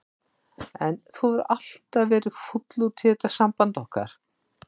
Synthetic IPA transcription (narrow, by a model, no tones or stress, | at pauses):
ɛnθuwvaɾal̥t̪aðvɛːɾɪ̥fut̪lut̪ʰɛːt̪asampant̪ɔhka̰ɾ̥